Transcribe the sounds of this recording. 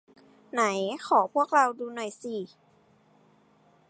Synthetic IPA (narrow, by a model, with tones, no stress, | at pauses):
na˩˦jxʰɔː˨˩˦pʰu˥˩ək̚ɾa˧wduː˧nɔ˨˩jsiː˧˩